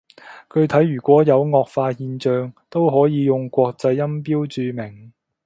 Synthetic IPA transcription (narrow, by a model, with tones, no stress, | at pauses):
kɵ˧ɥt̪ʰɐ˨˥jːyː˨˩kʷɔː˨˥jɐ˨˧wŋɔː˧k̚faː˧hiː˧nt͡ʃœː˧ŋt̪o˥wɦɔː˨˥jiː˨˧jʊ˨ŋkʷɔː˧k̚t͡sɐ˧jːɐ˥mp̬iː˥wt͡syː˧mɪ˨˩ŋ